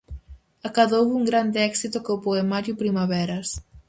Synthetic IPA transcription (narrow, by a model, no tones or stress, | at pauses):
akaðowuŋɡɾand̪eɛksit̪ʊkowpoemaɾjupɾimaβɛɾɐs